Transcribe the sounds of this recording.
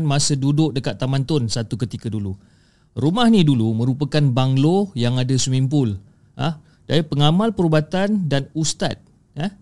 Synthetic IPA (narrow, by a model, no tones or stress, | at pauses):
nmãsədudʊk̚dəkat̪ːamãnt̪ʊnsat̪ukət̪ikadulu | ɾumahnidulumə̃ɾupakanbaŋlojaŋadasumimpʊl | a̰h | daipəŋamalpəɾubat̪andanust̪a̰t̪̚ | ah